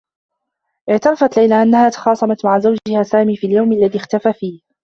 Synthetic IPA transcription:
ʔɪʕt̪ɑɾɑfat̪lajlaːʔanːahaːt̪ɑ̥xɑːsˤɑmat̪maʕazawd͡ʒɪhaːsaːmiːfiːaljawmʔalːaðixt̪afaːfiːh

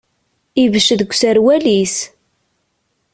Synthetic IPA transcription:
ivəʃðəɡʷsæɾwælis

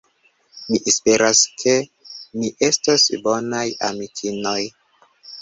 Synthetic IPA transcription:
miʔespe̞ɾaskʰe̞ | niʔe̞stasbo̞najamikʰino̞j

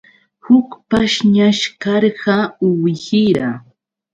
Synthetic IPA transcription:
hʊkpaʃɲaʃkɑɾɢɑʊwɪhɪɾa

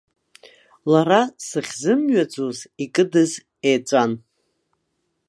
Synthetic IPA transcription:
laɾasɨχʲzɨmɥad͡zozikʼɨdɨz | ejt͡sʷʼan

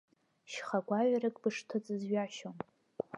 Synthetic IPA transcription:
ʃχaɡʷaɥarɨkʼbɨʂtʰɨt͡sʼɨzɥaʃom

